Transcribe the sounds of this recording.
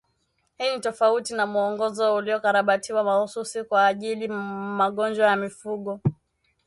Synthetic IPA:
hinitɔfautinamuɔŋɡɔzɔuliɔkaɾaɓatʰiwamahususikwaːʄilimaɠɔnd͡ʒwajamifuɠɔ

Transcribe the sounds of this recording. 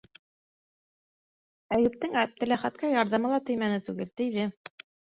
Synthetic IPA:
æjɘ̆p̚t̪ɘŋæp̚t̪ɘ̆læχæt̪̚kɑjɑɾðɑmɤ̆lˠɑt̪ɵ̆jmænɘt̪ʉɡɘlt̪ɘ̆jðɘ

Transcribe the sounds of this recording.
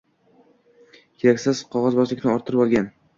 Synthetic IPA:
kʲʰeɾakʲsɪz̥qʰɒʁɒzbɒzlɪkʲnɪɒɾt̪ʰɪɾɪpɒlˠɡʲan

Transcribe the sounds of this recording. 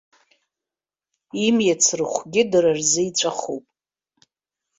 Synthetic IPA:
imjat͡sʰrɨχʷɡʲɪdɨrarzɨit͡sʷʼaχupʼ

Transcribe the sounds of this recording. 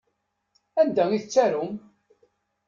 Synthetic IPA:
ænd̪æŋiθt͡sːæɾʊm

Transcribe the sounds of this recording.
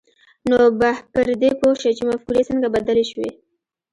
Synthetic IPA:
nobapəɾd̪epoʃat͡ʃemafkuɾesəŋɡabad̪aleʃwḛ

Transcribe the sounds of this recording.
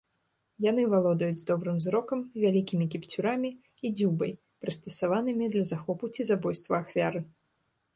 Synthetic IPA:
janɨvalˠɔd̪ɐjud͡zʲd̪ɔbɾɨmzɾɔkɐmvʲalʲikʲimʲikʲipt͡sʲuɾamʲi | id͡zʲubɐj | pɾɨst̪ɐsavanɨmʲid̪lʲɐzaxɔput͡sʲizabɔjst̪vɐːxvʲaɾɨ

